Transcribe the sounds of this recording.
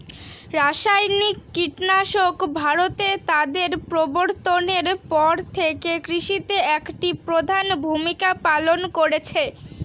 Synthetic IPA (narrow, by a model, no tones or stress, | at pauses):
ɾaʃajnikːiʈnaʃokbʱaɾot̪et̪ad̪eɾpɾoboɾt̪oneɾpɔɾt̪ʰekekɾiʃit̪eɛkʈipɾod̪ʱanbʱumikapalonkoɾet͡ɕʰe